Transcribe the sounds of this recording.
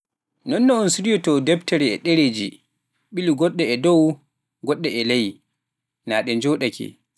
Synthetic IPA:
nɔnːɔɔnsuɾijɔtɔdɛptɛɾɛɛ̰ɗeɾed͡ʒḭ | ɓiliɡɔɗːɛɛdɔw | ɡɔɗːɛɛlaji | naːɗɛnd͡ʒɔːɗakʰɛ̰

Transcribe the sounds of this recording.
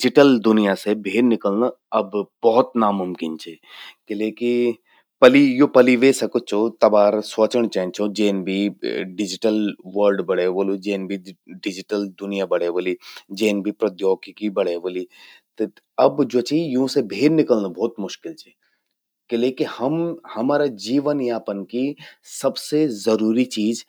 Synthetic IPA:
ɖɪd͡ʒɪʈəld̪ʊnijasebʱeːɾnɪkəlnaɐbbɔɦʊt̪namʊmkɪnt͡ʃʰeːkeleːki | pɐlijopɐliʋesɐkot͡ʃʰot̪ɐbaːɾswət͡ʃəɽ̃t͡ʃɛ̃ːnt͡ʃʰod͡ʒeːnbʱiɖɪd͡ʒɪʈəlʋəɾɖbɐɽeʋoːlud͡ʒeːnbʱiɖɪd͡ʒɪʈəld̪ʊnijabɐɽ̤eːʋolid͡ʒeːnbʱipɾɐd̪joːkkibɐɽ̤eːʋoːlit̪ | ɐbd͡ʒoːt͡ʃʰijũsebʱeːɾnɪkəlnabʱɔːt̪mʊʃkɪlt͡ʃʰeː | kelekihɐmhɐmaːɾad͡ʒiːʋənjaːpənkisɐbsezɐɾuːɾit͡ʃiːd͡ʒ

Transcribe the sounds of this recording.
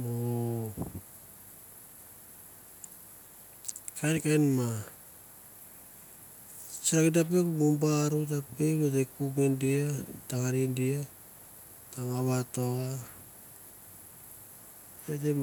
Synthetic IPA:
o | kankajnma | sakidap̬ekumumbaɾutapeβetekuɡŋendiataŋanindia | taŋaβatoa | ete

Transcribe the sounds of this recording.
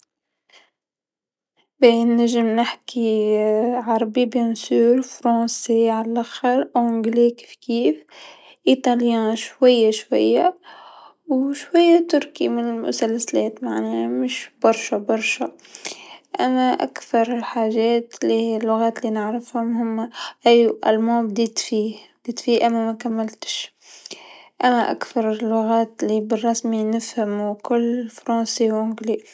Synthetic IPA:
benæʒːɪmnɪħkʰi | ʕɑɾˤbibʊnsyːɾfɾˤɑ̃ːseʕalælʔaxəɾʕɡleki̥fkiːf | ʔit̪ˤɑljæ̃ːʃwajːaʃwa̰jːa | wʃwæjːat̪ʊɾkimɪnɪlmʊ̰sælsælɛːt̪maʕnɛːmʊʃbɑɾˤʃabɑɾˤʃa | ʔæmːæʔa̰kθɑɾˤɪlħaːʒɛːt̪lilːʊɣaːt̪linɪʕɾɪfhʊmhʊmːʔæjʔa̰lmɑːb̚d̪iːt̪fiːbd̪iːt̪fiːhʔæmːæmækamːɪlt̪ɪ̥ʃ | ʔæmːæʔa̰kθɑɾˤɪlːʊɣaːt̪libɪrˤːɑsminɪfhamuwkʊlːfɾˤɑ̃ːsiwʕʊɡli

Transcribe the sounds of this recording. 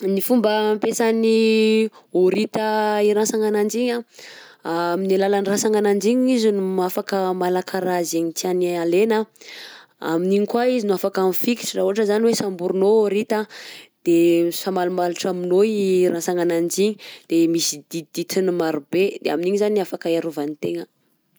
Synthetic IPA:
nifumbəmpesani | oɾit̪əiɾãsaŋanand͡ʒiɲa | aminilalanirasaŋanand͡ʒiɲizinumafakəmalakʰaɾazeɲit̪ianalenə | a̰miniɲikwaizinuafakamifiki̥ʈ͡ʂirauɦaʈ͡ʂəzaniwesambuɾunooɾit̪ad̪̥esamalumaluʈ͡ʂaminoɾãsaŋanand͡ʒiɲid̪̥emisid̪̥id̪̥it̪ʰinimaɾubed̪eaminiɲizanafakaeɾuvanit̪eŋə

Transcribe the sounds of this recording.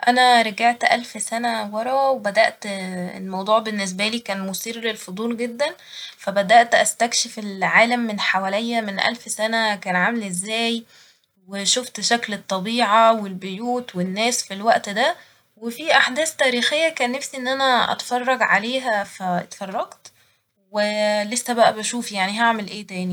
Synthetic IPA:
ʔænæɾˤɑɡaʕt̪ʔæ̰lfsænæwɑɾˤɑwebæd̪æʔt̪ḛlmɑwd̪ˤuːʕbenːes̬bæliːkæːnmosiːrlelfod̪ˤuːlɡed̪ːæn | fæbæd̪æʔt̪ʔæst̪ækʃefelʕaːlæmːenħawælejːæmenʔæ̰lfsænækæːnʕamlʔezːæːj | weʃoft̪ʃæklet̪ˤːɑbiːʕɑwelbejuːt̪wenːæːsfilwæʔt̪d̪æ | wefiʔaħd̪æːst̪æːɾiːxejːækæːnːæfsiʔenːʔænæʔɑ̰t̪fɑrˤːɑɡʕaleːɦæfæt̪fɑrˤːɑɡt̪ | welesːæbæʔæbæʃuːfjaʕniɦaʕmelʔeːt̪æːni

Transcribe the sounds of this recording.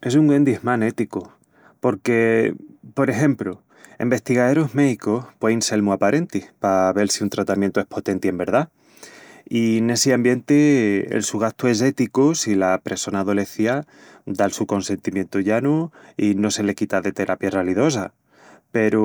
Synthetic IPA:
e̞suŋɡwe̞nd̪ihmãne̞t̪iko | po̞ɾke̞po̞ɾe̞xe̞mplo | ḛmbe̞hst̪iɣaeɾoɦme̞ðikohpweinse̞lmuapaɾe̞nt̪ipaβe̞lsiunt̪ɾat̪amjent̪oe̞hpʰo̞t̪e̞nt̪ie̞mbe̞ɾða | ine̞seambjent̪eḛlsuɣaht̪oe̞s̬e̞t̪ikosilapɾeso̞naːðo̞le̞θja | d̪alsuko̞nse̞nt̪imje̞nt̪oʝanuino̞se̞le̞kit̪aðe̞t̪e̞ɾʔapjaraliðo̞sa̰ | pe̞ɾo

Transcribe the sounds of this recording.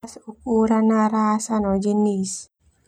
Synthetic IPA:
sukuɾanaɾasanɔd͡ʒinis

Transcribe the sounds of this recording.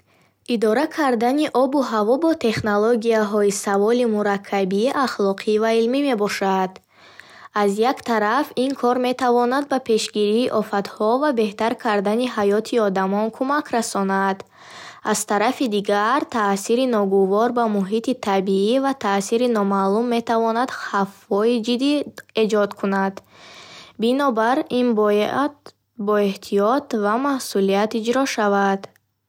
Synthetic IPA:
ʔid̪ɔɾakʰaɾd̪aniʔɔbuɦavɔbɔt̪ʰe̞χnoloɡiaɦɔisavɔlimuɾakʰːabiʔaχlɔqʰivailmime̞bɔʃad̪ | azjakt̪ʰaɾafinkʰɔɾme̞t̪ʰavɔnad̪̚bapʰe̞ʃɡiɾiːʔɔfat̪hɔvabe̞ht̪aɾkʰaɾd̪aniɦajɔt̪ʰiɔd̪amɔnkʰumakʰɾasɔnad̪ | az̥t̪ʰaɾafid̪iɡaɾt̪ʰasiɾinɔɡuvɔɾbamuɦit̪it̪ʰabiivat̪ʰasiɾinɔmalumːe̞t̪ʰavɔnad̪hafhɔid͡ʒid̪ie̞d͡ʒɔd̪kʰunad̪ | binɔbaɾinb̪ | bɔeht̪ʰiɔt̪vamahsulijat̪id͡ʒɾɔʃavad̪

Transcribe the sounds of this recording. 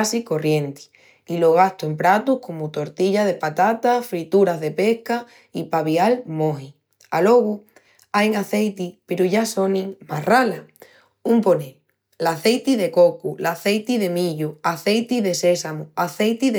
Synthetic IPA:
siko̞rjẽ̞nt̪i̥ | ilo̞ɣ̞ast̪uempɾat̪uhko̞mut̪o̞ɾt̪iʎað̞e̞pat̪at̪afɾit̪uɾazðe̞pe̞hka | ipaβialmõ̞ɦi | alo̞ɣu | ajŋaθe̞jt̪ipe̞ɾuʝaso̞nĩŋmarala | umpo̞nẽn | laθe̞jt̪iðe̞ko̞kulaθe̞jt̪iðe̞mĩʎuaθe̞jt̪iðe̞se̞samuaθe̞jt̪i

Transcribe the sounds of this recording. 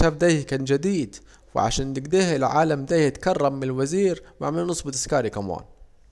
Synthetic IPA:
aːfd̪aːjhkaːnd͡ʒad̪iːd̪ | wɪ̰ʕa̰ʃaːnt̪ɪɡd̪iːhɪlʕaːlamd̪aːjhɪt̪kɑrˤːɑmːɪnlwaziːɾma̰ʕmɪlnʊsˤbɪt̪ɪskaːɾikama̰ːn

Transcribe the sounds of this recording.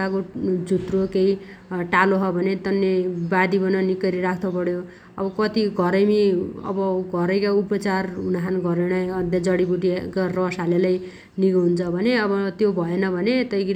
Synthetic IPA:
akod͡zʱut̪rokeiʈaloɦʌbʱʌnet̪ʌnːebad̪ibʌnʌnikʌɾiɾakʰt̪opʌɽjo | ʌbʌkʌt̪iɡʱʌɾʌjmiʌ̰bʌɡʱʌɾʌjkaupʌt͡sarɦunaɦanɡʱʌɾenajʌd̪jad͡zʌɽibuʈiekarʌsalelaj | niɡʌɦunt͡sʰʌbʱʌneʌbʌt̪jobʱʌenʌbʱʌnet̪ʌjkiɾ

